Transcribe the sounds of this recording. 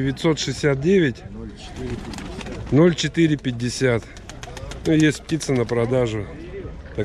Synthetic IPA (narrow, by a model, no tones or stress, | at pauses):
ɪvʲɪt̪so̞t̪ʂɨsʲːat̪̚dʲevʲɪtʲ | no̞lʲt͡ɕɪt̪ɨɾʲɪpʲɪdʲːɪsʲat̪ | nujesʲt̚ʲp̚tʲit̪sənəpɾɐd̪aʐʊ | t̪ɐ